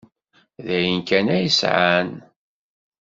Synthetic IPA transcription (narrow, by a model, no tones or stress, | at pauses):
ðæjənkænæjəsʕan